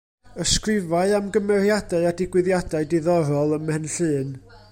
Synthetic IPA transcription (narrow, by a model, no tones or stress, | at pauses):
əskrɪvaɨamɡəmɛrjadaɨadɪɡwɨðjadaɨdɪðɔɾɔlˠəmɛnɬɨːn